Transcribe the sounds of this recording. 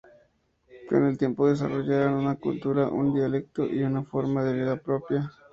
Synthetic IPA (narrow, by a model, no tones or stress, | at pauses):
pɾonelt̪je̞mpoðes̬a̰roʝaɾanunakṵlt̪uɾaʔṵnd̪ialek̚t̪oʔiunafoɾmaðeβiðapɾopja